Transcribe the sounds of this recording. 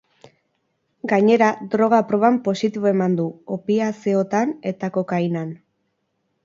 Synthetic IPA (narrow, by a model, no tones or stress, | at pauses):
ɡaɲe̞ɾad̪ɾo̞ɣ̞apɾo̞βampo̞sit̪iβoe̞mand̪uopiaseot̪ane̞t̪ako̞kajnan